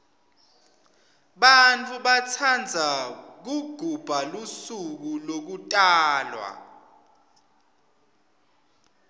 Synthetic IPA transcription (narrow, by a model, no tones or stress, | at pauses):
ɓant͡fʰʼuɓat͡sʰand͡zʱak̬uɡ̥ʱub̥ʱalusuk̬ulok̬utʼaːlwa̰